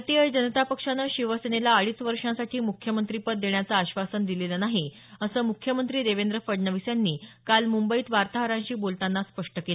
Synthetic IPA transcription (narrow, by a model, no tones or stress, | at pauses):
t̪iəd͡ʑənət̪apəkʂanəɕiʋəsenelaːɭiːsʋəɾʂãsaʈʰiːmukʰjəmənt̪ɾipət̪̚d̪eɳjat͡saːɕʋasənd̪ilelənaɦi | əsəːmukʰjəmənt̪ɾiːd̪eʋend̪ɾəfəɽɳəʋisjanːiːkalmumbəiːt̪ʋaɾt̪aɦəɾãɲɕiːbolt̪anːaspəʂʈəkela